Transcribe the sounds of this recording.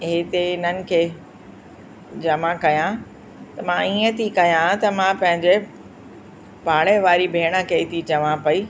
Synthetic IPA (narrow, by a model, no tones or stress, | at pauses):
ɦɪt̪eɪnənɪ̆kʰeː | d͡ʑɐmãkɐjã | t̪ɐmãiːə̃t̪ʰikɐjãt̪ɐmãpɐ̃ɦɪ̃ɲd͡ʑe | paːɽeʋaːɾibʱeːɽ̃əkʰeːt̪ʰit͡ɕɐʋãpɐi